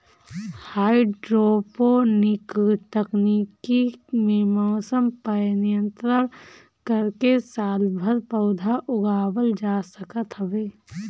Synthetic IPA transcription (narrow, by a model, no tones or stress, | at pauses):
haːiɖɾoːponɪkʈ̪əknikimemoːsəmpənijə̃nt̪ɾəɾ | kəɾkesaːlbʱəɾpəʊd̪ʱaʔʊɡaːwəld͡ʒaːsəkət̪ɦəbeː